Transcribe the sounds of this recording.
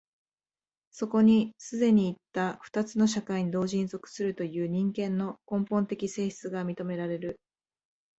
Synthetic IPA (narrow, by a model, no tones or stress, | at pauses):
so̞ko̞ɲ̟isɨd̪e̞ɲ̟iːt̪ːaɸɯ̥t̪at͡sɨno̞ɕ̬akaiɲ̟id̪o̞ːʑĩnzo̞kɯ̟̥sɨɾɯ̟t̪o̞jɯ̟ːɲ̟ĩŋkẽ̞nːo̞kõ̞mpõ̞nt̪e̞kʲise̞ːɕi̥t͡sɨɡamʲit̪o̞me̞ɾaɾe̞ɾɯ̟